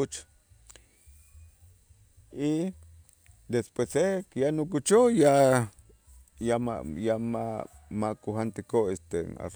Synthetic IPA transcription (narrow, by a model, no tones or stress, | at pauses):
ut͡ʃ | i | d̪espwesekjanokut͡ʃoja | jama̰jama | makuɦant̪ikoest̪ena̰